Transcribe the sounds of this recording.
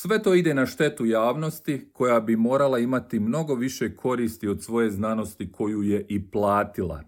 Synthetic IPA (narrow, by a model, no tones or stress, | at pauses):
sʋe̞t̪o̞ːid̪e̞naʃt̪e̞t̪ujaːʋno̞st̪ikʰo̞jabimo̞ːɾalˠaimat̪imno̞ɡo̞ʋiʃe̞kʰo̞ɾiːst̪iod̪sʋo̞je̞znano̞st̪ikʰo̞juːje̞ʔiplˠaːt̪ilˠa̰